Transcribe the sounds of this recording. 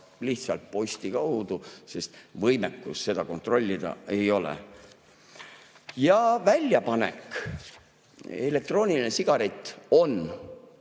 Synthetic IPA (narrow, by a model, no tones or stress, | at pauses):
liht̪sɑlt̪̚po̞jsʲt̪ikɑwd̪̥use̞st̪vɤjmekːṵsːe̞d̪̥ɑko̞nt̪ˑro̞lʲːid̪̥ɑ̰e̞jo̞lḛ | jɑvælʲːjɑpɑne̞̰k | e̞le̞k̚t̪ro̞ːnilinesiɡ̥ɑɾet̪ːˑo̞n